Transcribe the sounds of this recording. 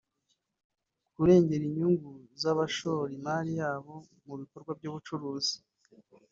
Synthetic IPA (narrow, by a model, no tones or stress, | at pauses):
kuɾe̞ːɲɟe̞ɾiɲuŋɡuzaβaʃoːɾimaːɾijaːβo̞ | muβiko̞ɾɡwab̚ɟuːβut͡ʃuɾuːzi